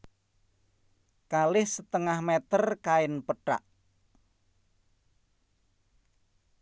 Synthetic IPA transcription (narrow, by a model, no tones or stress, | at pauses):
kalɪhsət̪əŋahmɛt̪ərkaɪnpəʈa̰ʔ